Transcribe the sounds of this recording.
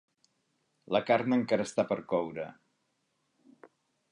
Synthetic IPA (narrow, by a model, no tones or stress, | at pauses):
ləkarnəŋkaɾəst̪apəɾkɔwɾə